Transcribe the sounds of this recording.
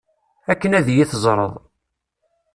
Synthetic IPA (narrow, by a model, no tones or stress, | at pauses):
ækːənæðjiθəzˤɾˤə̰ðˤ